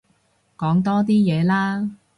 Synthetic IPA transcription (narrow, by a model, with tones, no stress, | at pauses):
kɔː˨˥ŋt̪ɔː˥t̪̬iː˥jɛː˨˧laː˥